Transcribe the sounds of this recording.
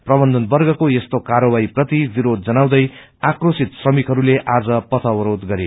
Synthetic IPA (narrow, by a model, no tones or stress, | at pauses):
prʌbʌnd̪ʌnbʌrɡʌkojest̪okaɾʌbaiprʌt̪ibiɾod̪̚d͡zʌnaw̃d̪ʌj | akrosit̪srʌmikɦʌɾuleʔad͡zʌpʌt̪ʰʌwʌɾod̪ɡʌɾe